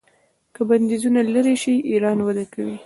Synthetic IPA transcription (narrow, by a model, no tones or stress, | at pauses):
kəband̪izunalaɾeʃiʔiɾɑnwad̪akawi